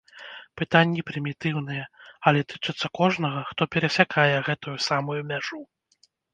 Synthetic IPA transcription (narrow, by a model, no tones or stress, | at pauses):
pɨt̪anʲːipɾɨmʲit̪ɨwn̪ɨjɛɐlʲɛt̪ɨt͡ʂɨt̪sːɐkɔʐn̪ɐɣɐxt̪ɔpʲɛɾɐsʲakʰajɛɣɛt̪ujusamujumʲaʐu